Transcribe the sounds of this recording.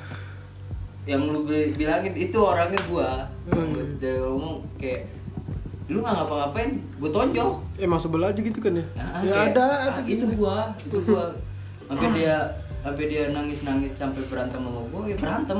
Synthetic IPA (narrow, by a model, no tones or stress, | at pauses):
jaŋlubɪhbilaŋɪnit̪uoɾaŋɲaɡua | adaomokajaʔ | luŋaŋapaŋapaɪn | buat̪oɲd͡ʒɔɛmasʊkbəlad͡ʒuɡit̪ukanjaaʔaakadait̪ubuait̪uɡua | ampɛdia | sampɛdianaŋɪsnaŋɪsːampabəɾant̪əmamabuakajabəɾant̪əm